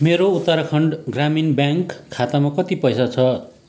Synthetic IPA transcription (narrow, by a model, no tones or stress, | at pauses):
meɾout̪ːʌɾʌkʰʌɳɖɡraminbjaŋkʰːat̪amakʌt̪ipʌjsat͡sʰʌ